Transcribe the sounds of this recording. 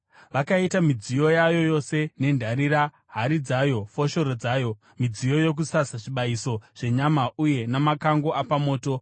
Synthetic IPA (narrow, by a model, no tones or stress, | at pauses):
ʋakaitamid͡zijo̞jajo̞jo̞se̞ne̞ndʱaɾiɾa | ɦaɾid͡zajo̞fo̞ʃo̞ɾod͡zaːjo̞ | mid͡zijo̞je̞k̬usasaʐiɓaiso̞ʐ̥e̞ɲamauje̞namakaŋɡo̞ʔapamo̞ːto̞